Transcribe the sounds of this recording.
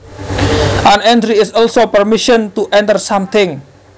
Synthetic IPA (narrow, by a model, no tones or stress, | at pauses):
ʔanɛntɾiɪsɔlsopərmɪʃənt̪uʔɛnt̪ərsamt̪ɪŋ